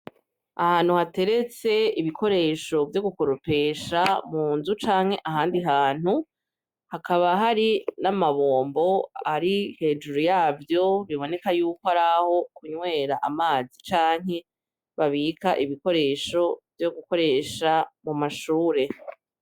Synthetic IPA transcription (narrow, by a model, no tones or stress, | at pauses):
ahaːn̥huhate̞ɾe̞t͡se̞iβikʰo̞ɾe̞ʃo̞vjoɡuko̞ɾope̞ːʃamuːnzut͡ʃaːŋ̥he̞ʔaɦaːndiɦaːn̥hu | hakaβaɦaɾinamaβo̞ːmbo̞aɾihe̞ːd͡ʒuɾujaːvjo̞βiβo̞ne̞kajuːkohaɾaho̞kuɲwe̞ːɾaʔamaːzit͡ʃaːŋ̥ɦe̞ | βaβiːkʰaʔiβiko̞ɾe̞ːʃo̞vjo̞ɡuko̞ɾe̞ːʃamumaʃuːɾe̞